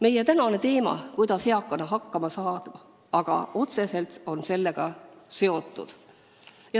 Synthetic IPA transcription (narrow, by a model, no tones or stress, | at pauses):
me̞je̞t̪ænɑne̞t̪e̞ːmɑ̰kujd̪̥ɑshe̞ɑkːɑnɑɦɑkːɑmɑsɑːd̪̥mɑ | ɑɡ̥ɑ̰ʔo̞t̪se̞se̞lt̪o̞nse̞lːe̞ɡ̥ɑse̞o̞t̪ːˑṵd̪̥ | jɑ